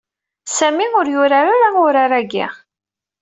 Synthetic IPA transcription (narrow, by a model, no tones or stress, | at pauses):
sæmiʊɾjʊɾaɾaɾaʊɾaɾæɡḭʁ